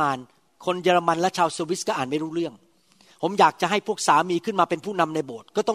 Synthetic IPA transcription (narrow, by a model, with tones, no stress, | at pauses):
aː˧n | kʰo˧njɤː˧ɾa˧ma˧nlɛ˦˥t͡ɕʰaː˧wseː˧wi˦˥skɔː˥˩ʔaː˨˩nma˥˩jɾuː˦˥ɾɯ˥˩əŋ | pʰo˩˦mjaː˨˩k̚t͡ɕa˨˩ʔɦa˥˩jpʰu˥˩k̚saː˩˦miː˧kʰɯ˥˩nmaː˧pe˧npʰuː˥˩na˧mna˧jboː˨˩t̪̚kɔː˥˩t̪ɔ˥˩˨